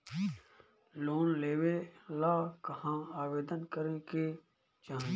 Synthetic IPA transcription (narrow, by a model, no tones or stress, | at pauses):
loːnleːʋelaːkəhãːaːʋeːd̪ənkəɾẽke | t͡ʃaːɦ